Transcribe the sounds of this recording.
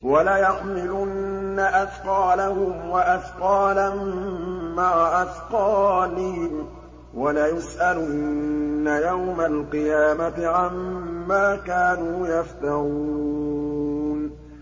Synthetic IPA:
walajaħmɪlʊnːaʔasqɑːlahʊmwaʔasqɑːlammaʕaʔasqɑːlɪhɪm | walajʊsʔalʊnːajawmalqɨjaːmat̪ɪʕamːaːkaːnuːjaft̪aɾuu | n

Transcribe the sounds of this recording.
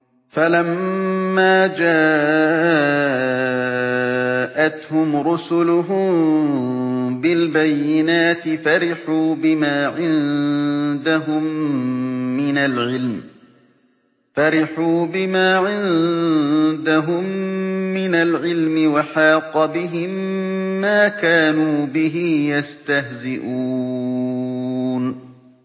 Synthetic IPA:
falamː | aːd͡ʒaː | ʔat̪hʊmɾʊsʊlʊɦʊ | bɪlbajːɪnaːt̪ɪfaɾɪħuːbɪmaːʕɪn | d̪aɦʊmː | ɪnalʕɪlm | faɾɪħuːbɪmaːʕɪn | d̪aɦʊmː | ɪnalʕɪlmɪwaħɑːqɑbɪɦɪmːaːkaːnuːbɪɦɪjast̪ahzɪʔuː | n

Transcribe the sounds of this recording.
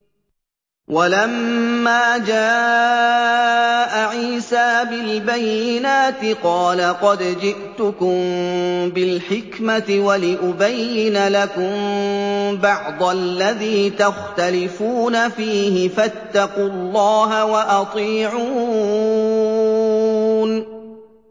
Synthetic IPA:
wʔalamːaːd͡ʒaːʔ | ʔaʕiiːsaːbɪlbajːɪnaːt̪ɪqɑːlaqɑd̪d͡ʒɪʔt̪ʊkʊmbɪlħɪkmat̪ɪwalɪʔʊbajːɪnalakʊm | bɑʕd̪ˤalːaðiːt̪axt̪alɪfuːnafiːhɪfat̪ːɑqullːɑːɦawaʔɑt̪ˤiːʕuː | n

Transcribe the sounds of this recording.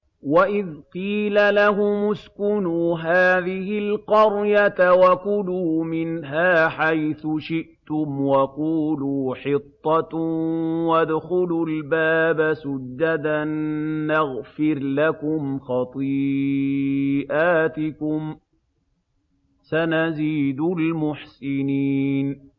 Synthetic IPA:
waʔɪðqiːlalaɦʊmʊskʊnuːɦaːðɪhɪlqɑɾjat̪awakʊluːmɪnɦaːħajθʊʃɪʔt̪ʊmwaquːluːħɪt̪ˤːɑt̪ | wad̪xʊlʊlbaːbasʊd͡ʒːad̪anːaɣfɪɾlakʊmxɑt̪ˤiː | ʔaːt̪ɪkʊm | sanaziːd̪ʊlmʊħsɪniːn

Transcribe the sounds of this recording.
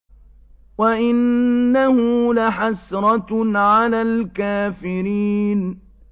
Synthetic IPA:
waʔɪnːahʊlaħasɾˤɑʕalaːlkaːfɪɾiːn

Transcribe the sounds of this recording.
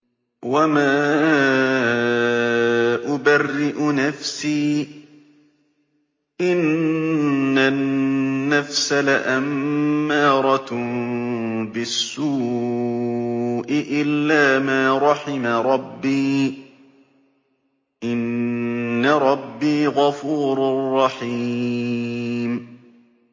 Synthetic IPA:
wamaː | ʔʊbarːɪʔʊnafsiː | ʔɪnː | anːafsalaʔamːɑːɾˤɑ | bɪsːuː | ʔɪʔɪlːaːmaːɾˤɑħɪmaɾˤɑbːiː | ʔɪnː | aɾˤɑbːiːɣɑfuːɾarːɑħi | m

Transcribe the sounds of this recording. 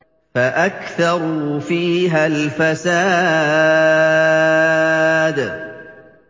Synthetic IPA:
faʔakθɑɾˤʊfiːɦalfasaː | d̪

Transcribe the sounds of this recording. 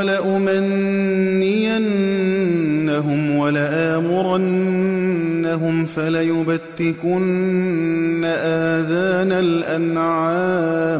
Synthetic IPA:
laʔʊmanː | ɪjanː | aɦʊmwalaʔaːmʊɾanː | aɦʊmfalajʊbat̪ːɪkʊnː | aʔaːðaːnalʔanʕaːm

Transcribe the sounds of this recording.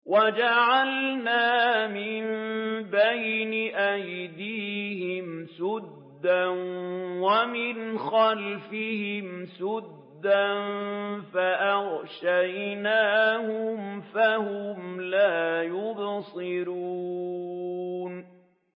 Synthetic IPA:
wad͡ʒaʕalnaːmɪmbajnɪʔajd̪iːhɪmsʊd̪ːanwamɪnxalfɪhɪmsʊd̪ːanfaʔaʁʃajnaːhʊmfahʊmlaːjʊbsˤɨɾuː | n

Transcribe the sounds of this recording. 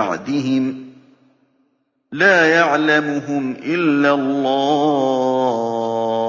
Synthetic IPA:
aʕd̪ɪɦɪm | laːjaʕlamʊɦʊmʔɪlːalˤːɑː

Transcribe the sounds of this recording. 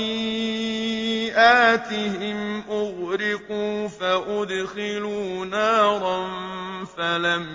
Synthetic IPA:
ʔaːt̪ɪɦɪmʔʊɣɾɪquːfaʔʊd̪xɪluːnaːɾˤɑnfalam

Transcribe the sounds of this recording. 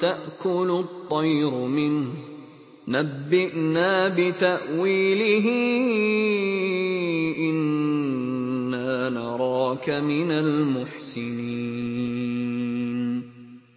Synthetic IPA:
t̪aʔkʊlʊt̪ˤːɑjɾʊmɪnh | nabːɪʔnaːbɪt̪aʔwiːlɪɦɪ | ʔɪn | aːnɑɾˤɑːkamɪnalmʊħsɪniː | n

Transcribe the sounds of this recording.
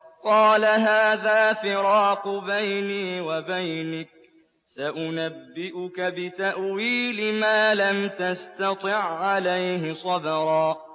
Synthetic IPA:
qɑːlaɦaːðaːfɪɾɑːqbajniːwabajnɪk̚ | saʔʊnabːɪʔʊkabɪt̪aʔwiːlɪmaːlamt̪ast̪ɑt̪ˤɨʕːalajhɪsˤɑbɑɾˤɑː

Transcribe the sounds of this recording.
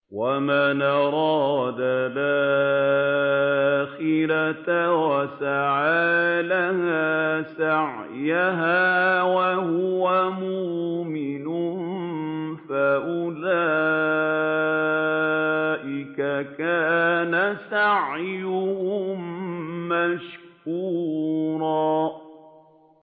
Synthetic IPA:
wamanʔɑɾˤɑːd̪aba | xɪlatwasaʕaːlahaːsaʕ | jaɦaːwahʊwamʊmɪnʊm | faʔʊlaː | ʔɪkakaːnasaʕjʊhʊmmaʃkuːɾˤɑː

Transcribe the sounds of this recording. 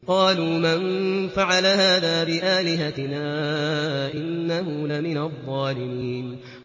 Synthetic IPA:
qɑːluːmanfaʕalaɦaːðaːbɪʔaːlɪɦat̪ɪnaː | ʔɪnːaɦʊlamɪnaðˤːɑːlɪmiːn

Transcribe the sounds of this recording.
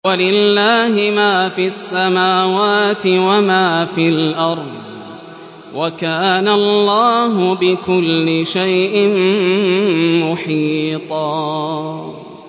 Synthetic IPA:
walɪlːaːhɪmaːfiasːamaːwaːt̪ɪwamaːfilʔɑɾˤd̪ˤ | wakaːnalːaːɦʊbɪkʊlːɪʃajʔɪm | mʊħiːt̪ˤɑː

